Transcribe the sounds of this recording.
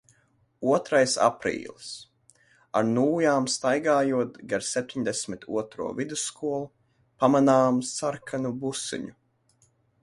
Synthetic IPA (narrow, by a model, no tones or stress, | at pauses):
uɔt̪ɾajsa̰pɾḭːlˠis | a̰ɾnuːjaːmst̪ajɡaːjuɔt̪ɡaɾsɛp̚t̪ʰʲiɲd̪esʲmit̪ʰṵɔt̪ɾṵɔvid̪usːkuɔlˠu | pamanaːmsaɾkʰanubusɨ̰ɲu